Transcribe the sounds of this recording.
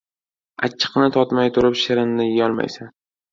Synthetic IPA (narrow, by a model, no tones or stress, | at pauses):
a̰t͡ʃʰːɪ̥qnɪt̪ʰɒt̪majt̪ʰʊɾɪpʃɪɾɪnːɪjjɒlˠma̰jsan